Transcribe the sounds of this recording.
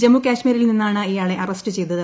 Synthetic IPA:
d͡ʑemːukʲaːɕmiːɾilninːaːɳɨijaːɭe̞ʔɐrɐstɨt͡ɕe̞jt̪uðɐ

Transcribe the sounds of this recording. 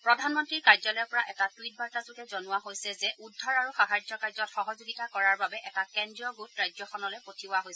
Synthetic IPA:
pɹɔdʱanmɔntɹiɹkaɹzɔlɔjɔpɔɹaʔɛtatwit̚baɹtazukɛzɔnʊwaɦojsɛzɛʔudʱːɔɹaɹuxaɦaɹd͡ʒɔkaɹzɔtxɔɦɔzuɡitakɔɹaɹbabɛʔɛtakɛndɹiɔɡutɹajzɔxɔnɔlejpotʰibʊaɦojsɛ

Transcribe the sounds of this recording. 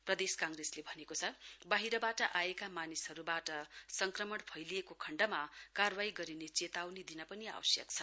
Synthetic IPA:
prʌd̪eskãŋreslebʱʌnekot͡sʰʌbaɦiɾʌbaʈʌʔaekamanishʌɾubaʈʌsʌŋkrʌmʌɽpʰʌjliekokʰʌɳɖʌmakarbaiɡʌɾinet͡set̪awned̪inʌpʌnia̰wʌ̰sjʌ̰kt͡sʰʌ

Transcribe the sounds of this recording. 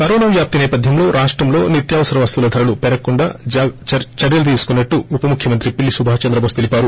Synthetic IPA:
kɐɾoːnaʋjaːp̚t̪inɛːpɐd̪ʱjɐmlo̞ːɾʔaːʂʈɾɐmlo̞ːnit̪jaːʋɐsɐɾɐʋɐst̪ulɐd̪ʱɐɾɐlupɛɾɐkːuɳɖa̰ː | t͡ʃɐɾjɐlɐt̪̬iːsu̥kunːɐʈːuːpɐmukʰjɐmɐnt̪ɾipiɭːisubʱaːt͡ʃɐnd̪ɾɐbʱɐːst̪elipaːɾu

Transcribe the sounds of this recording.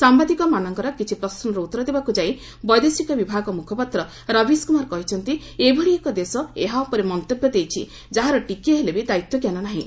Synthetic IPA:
sambad̪ikɔmanɔŋkɔɾɔkit͡ʃʰipɾɔsɔnɔɾɔut̪ːɔɾɔd̪ebakud͡ʒai | bɔjd̪esikɔbibʱaɡɔmukʰɔpat̪ɾɔ | ɾɔbʱiskumaɾɔkɔɦit͡ʃʰɔnt̪i | ebʱeɭiekɔd̪esɔeɦaɔpɔɾemɔnt̪objɔd̪ejt͡ʃʰḭ | d͡ʒaɦaɾɔʈikieɦelebed̪ait̪wɔkjanɔnaɦĩ

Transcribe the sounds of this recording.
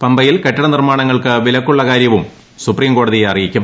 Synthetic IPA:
pɐmbɐjilkɐʈːɐɳɐnirmaːɳɐŋːɐɭkɨʋilɐkːuɭːɐkaːɾjɐʋum | supriːmko̞ːɽɐðijeɐrijikʲːum

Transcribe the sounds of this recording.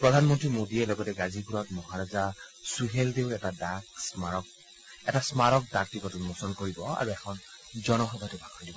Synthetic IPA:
pɹɔdʱanmɔntɹimodiɛlɔɡɔtɛɡazikuɹɔtmɔɦaɹazasuɦeldeʊɛtadaksmaɹɔk̚ | ɛtasmaɹɔk̚daktikɔtumɔsɔlkoɹibɔa̰ɹuɛkʰɔn | zɔnɔxɔbʱatubʱakʰɔndibɔ

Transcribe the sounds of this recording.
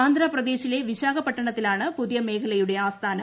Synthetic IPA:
aːnd̪ɾaːprɐd̪e̞ːɕile̞ʋiɕaːɡɐpːɐʈːɐɳɐt̪ːilaːɳɨpuðijɐme̞ːkʰɐlɐjuɽe̞aːst̪ʰaːnɐ

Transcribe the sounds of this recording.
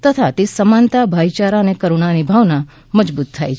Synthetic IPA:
t̪ət̪ʰat̪esəmant̪abʱait͡ʃaɾanekəɾoɳ̃anibʱaʋna | məd͡ʒbut̪ʰːajt͡ʃʰ

